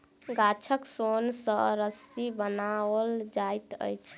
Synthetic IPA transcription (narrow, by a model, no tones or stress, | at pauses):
ɡat͡ʃʰəksonsəɾəsibənawəld͡ʒajt̪ə̰jt͡ʃʰ